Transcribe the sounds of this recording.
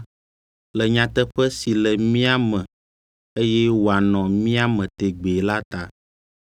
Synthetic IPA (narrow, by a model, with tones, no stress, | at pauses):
lɛ˨ɲã˨t̪ɛ˦ɸɛ˦si˨lɛ˨mĩ˦a˦mɛ̃˨ | e˦jɛ˦wo˨a˨nɔ̃˨mĩ˦a˦mɛ̃˨t̪e˨ɡ͡be˨la˦t̪a˨